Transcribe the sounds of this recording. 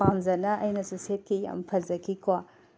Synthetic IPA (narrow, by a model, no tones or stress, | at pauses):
amzɐnɐʔɐjnɐsuset̚kija̰mpʰɐzɐkʰikwa